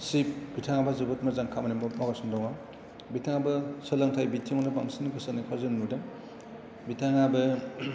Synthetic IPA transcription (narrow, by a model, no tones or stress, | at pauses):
sip̚bitʰaŋabazɯbɔt̚mazaŋkʰamɐnimɔɡasɔndɔŋa | bitʰaŋabɐsɯlaŋtʰajbitʰiŋɔnɯbaŋsinɡɯsanikʰazɯnmudɯm | bitʰaŋabɐ